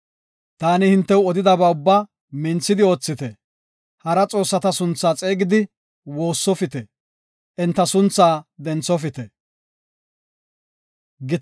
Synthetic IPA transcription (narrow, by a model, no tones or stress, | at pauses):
t̪aːnɪhɪnt̪ːɛwɔd̪ɪd̪ɐbɐʊbːa | mɪnt͡sːɪd̪ɪo̞ːt͡sːɪt̪ɛ | hɐɾɐt͡sʼo̞ːsːɐt̪ɐsʊnt͡sːaːt͡sʼe̞ːɡɪd̪ɪ | wo̞ːsːɔfɪt̪ɛ | ʔɛnt̪ːɐsʊnt͡sːaːd̪ɛnt͡sːɔfɪt̪ɛ | ɡɪt̪